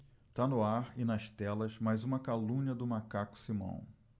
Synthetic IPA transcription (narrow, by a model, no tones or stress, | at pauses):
t̪anʊaɾɪnɐst̪ɛlɐzmajzũmɐkalũɲɐd̪ʊmakakʊ̥simɐ̰̃w̃